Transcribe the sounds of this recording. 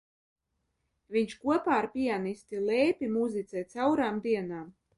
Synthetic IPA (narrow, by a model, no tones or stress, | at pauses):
viɲʃkuɔpaːɾpʲianist̪ilɛːpʲimuzit̪sʲɛːt̪sawɾaːmd̪iɛnaːm